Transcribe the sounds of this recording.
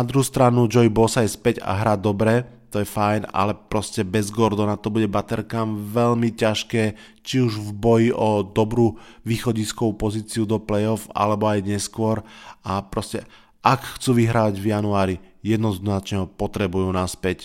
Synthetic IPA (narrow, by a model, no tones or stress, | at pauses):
nad̪ɾuɦuːst̪ɾanud͡ʒɔjbɔsajspɛɟa̰ɦɾaːd̪ɔbɾɛ | t̪ɔjɛfajna̰lɛpɾɔscɛbɛzɡɔɾd̪ɔnat̪ɔbuɟɛbat̪ɛɾkaːmʋɛʎmicaʃkɛː | t͡ʃiuʒvbɔjiʔɔd̪ɔbɾuːʋiːxɔɟiskɔʋupɔziːt͡siud̪ɔplɛjɔfa̰lɛbɔajɲɛskʊɔɾapɾɔscɛ | ʔakxt͡suːʋiɦɾaːʋaɟvjanuaːɾijɛd̪nɔznat͡ʃɲɛɦɔpɔt̪ɾɛbujuːnaspɛc